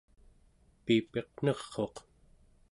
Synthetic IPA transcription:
piːpe̞qn̥ʌʁːo̞q

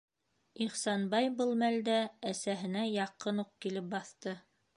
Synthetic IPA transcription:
iχsɑnbɑjbɤlˠmæld̪ææsæɦɘ̆næjɑqɤnuq̚kilɘp̚bɑθt̪ɤ

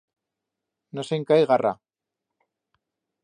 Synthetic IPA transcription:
noseŋkajɣarʔa̰

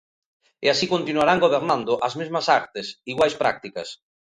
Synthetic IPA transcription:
ɪasikõnt̪inuaɾaŋɡoβeɾnãnd̪ʊʔazmezmɐsaɾt̪ɪsiɣwajspɾa̰k̚t̪ikɐ̰s

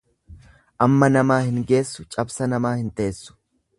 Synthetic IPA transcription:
ʔɐmːɐnɐmaːhɪŋɡe̞ːsːʊt͡ʃʼɐbsɐnɐmaːhɪnt̪ɐeːsːʊ̥

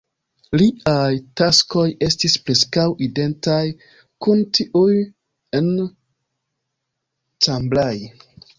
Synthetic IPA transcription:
liʔajtasko̞je̞stispɾe̞skawʔide̞ntaj | kuntiʔuj | en | t͡samblaj

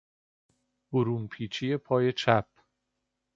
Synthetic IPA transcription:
b̥oɾuːnpʰiːt͡ʃʰije̞pʰɒːje̞t͡ʃʰæp̚ʰ

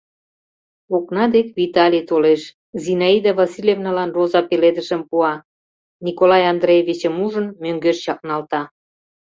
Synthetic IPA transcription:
oknɑd̪ekvit̪ɑlʲit̪oleʃ | zinɑid̪ɑvɑsilʲevnɑlɑnrozɑpeled̪əʃəmpuɑ | nʲikolɑjɑnd̪ɾejevʲit͡ɕəmuʒənmøŋɡøʃt͡ɕɑk̚nɑlt̪ɑ

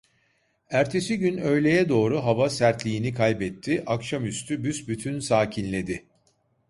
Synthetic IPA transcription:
æɾt̪ʰe̞siɟynø̞jlʲe̞jɛd̪o̞ːɾuɦavasæɾt̪lʲiːnikʰajbɛt̪ʰːiʔakʃamyst̪ʰybysbyt̪ʰynsaːcʰinlʲe̞d̪ɪ

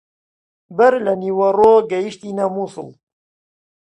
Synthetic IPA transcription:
bɐɾlɐniwɐroːɡɐjiʃt̪inamusɨ̰l

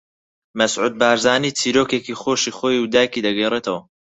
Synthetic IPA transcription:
mɐsʕuːd̪̚baːɾzaːniːt͡sʰiːɾoːkekiχoːʃiːχoːjuwd̪aːjkid̪ɐɡɛjreːt̪ʰɐwɐ

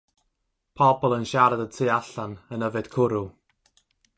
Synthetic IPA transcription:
pʰɔbɔlˠənʃaɾadətʰɨːaɬanənəvɨd̥kʰʊɾu

